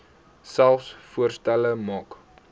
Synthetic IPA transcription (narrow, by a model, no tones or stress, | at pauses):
sælˠfsfuərstæləmɑːk